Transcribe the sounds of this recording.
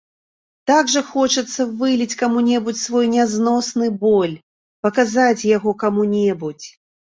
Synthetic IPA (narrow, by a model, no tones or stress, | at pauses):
t̪aɡʐɐxɔt͡ʂɐt̪sːɐvɨlʲit͡sʲkamunʲɛbut͡sʲsvɔjnʲaznɔsnɨbɔlʲ | pɐkazat͡sʲjaɣɔkamunʲɛbut͡sʲ